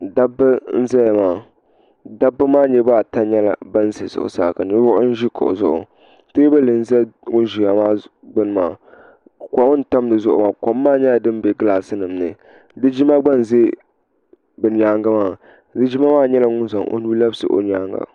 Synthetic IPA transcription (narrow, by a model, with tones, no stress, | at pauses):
da˦bɨ˦n̩˦zɛ˦ja˨maː˨ | da˦bːɨ˦maː˦ɲɛ˦baː˦˨ta˦ɲɛ˦la̰˨ba˦n˦ze˨zʊ̰˨ʔʊ̰˨sa̰ː˦˨ka˨nɨ˦ɾʊ˦ʔʊ˦n̩˦ʒi˦kʰʊ̰˨ʔzʊ˦ʔʊ̰˨ | te˦ba˦lɨ˨n̩˦zɛ˦ŋʊ˦ʒi˨ja˨maː˦ɡ͡bɨ˦n˨ma̰ː˨ | ka˨˦ʊ˦n̩˦ta˦mdɨ˨zʊ˦ʔʊ̰˨maː˨ko˨mː˦aː˦ɲɛ˦a˨dɨ˦m˦be˨ɡɨ˦la˨sɨ˦nɨ˨mnɨ̰˨ | dɨ˦d͡ʒi˦ma˦ɡ͡ba˦n˨ze˦ | bɨ˨n˨˦aː˦ŋɡa˦maː˦˨ | dɨ˦d͡ʒi˦ma˦maː˦ɲɛ˦la˨ŋʊ˦n˦za˨ŋʔo̰˦nu˦la˦bsɨ̰˨ʔo̰˨n˨˦aː˦ŋɡa̰˨